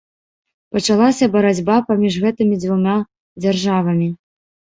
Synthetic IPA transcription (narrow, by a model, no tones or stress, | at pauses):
pɐt͡ʂalˠasʲɐbɐɾad͡zʲbapamʲiʂɣɛt̪ɨmʲid̪zvumʲa | d͡zʲarʐavɐmʲi